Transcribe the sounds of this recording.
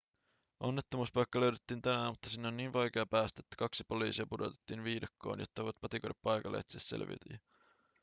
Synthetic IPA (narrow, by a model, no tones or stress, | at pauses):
ʔo̞nːe̞t̪ːomuspɑjkːɑløɥdet̪ːiːnt̪ænæmut̪ːɑsinːeonːniːnʋɑjk̟eɑpæːst̪æet̪ːæ̥kɑksipo̞liːsiɑpudo̞̰t̪e̥t̪ːiːnʋiːdɑkːo̰ːnjo̰t̪ːɑojʋɑt̪̚pɑt̪ikojdepːɑjkɑlːḛːt̪sessḛlʋḭt̪y̰jɑ